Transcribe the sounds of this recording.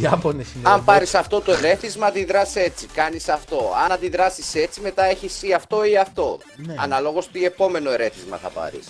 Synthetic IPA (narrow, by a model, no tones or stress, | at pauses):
ɐponesinɐmpɐɾisɐft̪o̞t̪o̞eɾe̞θizmɐd̪iðɾɐse̞t͡sikɐnisɐft̪o̞ɐnɐd̪iðɾɐsise̞t͡sime̞t̪ɐe̞çisiɐft̪o̞iɐft̪o̞ | nɐ̰nɐlo̞ɣo̞st̪ie̞po̞me̞no̞eɾe̞θizmɐ̰θɐ̰pɐ̰ɾḭs